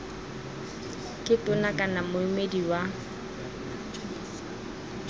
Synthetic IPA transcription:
kʼɪtʼʊnakʼanamʊɪmediwa

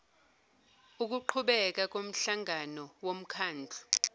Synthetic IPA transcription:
uk̬uǃʰuɓɛk̬ak̬om̩ɬaŋanɔwom̩kʰaːnd͡ɮʱu

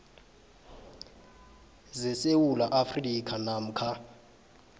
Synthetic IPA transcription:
zɛsewulaʔafrikʰanam̩kʰa

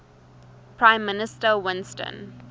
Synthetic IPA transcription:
pʰɹãɪ̃mːɪnɪstəwɪ̃nstə̰̃n

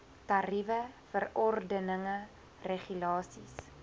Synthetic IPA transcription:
tɐrivəfərɔrdənəŋə | reχylɑːsis

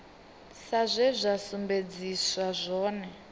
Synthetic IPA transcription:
sazʷɛzʷasumbed͡ziswazʷɔːnɛ

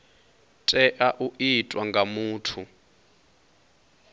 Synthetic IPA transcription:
tʼɛʔaʔuʔitʼwaŋɡʱamuːtʰu

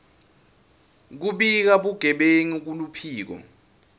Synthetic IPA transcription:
k̬uɓik̬aɓuɡ̥ʱɛɓeŋuk̬ulupʰiːk̬ɔ̰

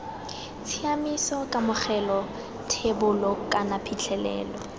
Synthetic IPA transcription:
t͡sʰiamisɔkʼamʊk͡xɛlɔ | tʰebʊlɔkʼanapʰit͡ɬʰɛlɛ̰ːlɔ

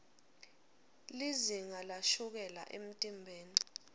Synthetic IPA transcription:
liziŋalaʃuk̬ɛla̰ʔem̩tʼimbʱeːni

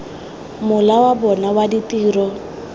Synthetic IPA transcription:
mʊlawabɔnawaditiːrɔ

